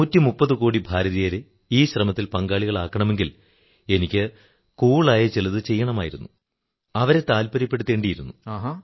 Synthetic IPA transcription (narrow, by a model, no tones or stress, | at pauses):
uːtːimupːɐðɨkuːɽibʱaːɾɐðijɐɾe | iːɕrɐmɐt̪ːilpɐŋɡaːɭiɣɐɭaːkːɐɳɐme̞ŋɡil | e̞nikʲːɨ | kuːɭaːjɐt͡ɕilɐðɨt͡ɕe̞jːɐɳɐmaːjiɾunːu | ɐʋɐɾet̪aːlpɐɾɐpːe̞ɽut̪ːe̞ːɳɖijiɾunːuaːɦa